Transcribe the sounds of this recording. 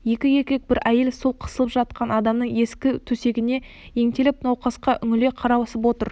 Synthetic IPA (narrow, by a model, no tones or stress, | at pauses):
je̞kʲɪje̞kʲek̚bɪɾæje̞lsolˠqʰə̥səlˠəpʒɑt̪̚qʰɑnɑd̪ɑmnəɴe̞skʲɪt̪ʰɵse̞ɡʲɪne̞ | je̞ŋt̪e̞lɪp̚nɑwqɑsqɑʔʏŋɪle̞qʰɑɾɑwɑsəpwo̞t̪əɾ